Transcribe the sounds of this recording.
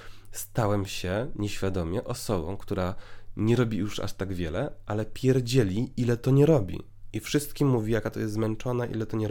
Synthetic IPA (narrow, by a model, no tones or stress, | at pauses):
st̪awɛmɕɛɲɛɕfʲjad̪ɔmʲjɛʔɔsɔbɔ̰̃w̃kt̪uɾaɲɛɾɔbʲijuʂa̰ʂt̪aɡvʲjɛlɛʔalɛpʲjɛɾd͡ʑɛlʲiʔilɛt̪ɔɲɛɾɔbʲḭ | ifʂɘst̪kʲimːuvʲijakat̪ɔjɛst̪zmɛnt͡ʂɔnaʔḭlɛt̪ɔɲɛɾ